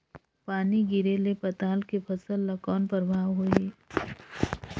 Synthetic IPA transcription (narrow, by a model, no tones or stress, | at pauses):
paːniɡɪɾelepɐt̪aːlkepʰəsəlːɐkɔːnpəɾbʱaːʋɦoeː